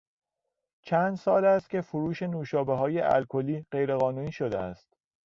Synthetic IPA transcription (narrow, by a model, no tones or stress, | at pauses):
t͡ʃʰænd̪sɒːlæst̪̚cʰʲe̞fuɾuːʃe̞nuːʃɒːbeɦɒːjeʔæ̰lkʰo̞liːɢe̞jɾe̞ɣɒːnuːniːʃo̞d̪ḛæ̰st̪